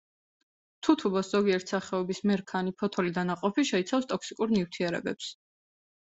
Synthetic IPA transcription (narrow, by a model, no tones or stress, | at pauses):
t̪ʰut̪ʰubɔsz̥ɔɡiɛɾt̪ʰsaχɛɔbismɛɾkʰanipʰɔt̪ʰɔlid̪anaqʼɔpʰiʃɛit̪sʰafst̪ʼɔksikʼuɾnift̪ʰiɛɾɛ̰bɛps